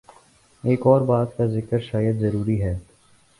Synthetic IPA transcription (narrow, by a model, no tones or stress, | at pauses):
eːkɔːɾbaːt̪kazɪkəɾʃaːjəd̪zɐɾuːɾiɦɛː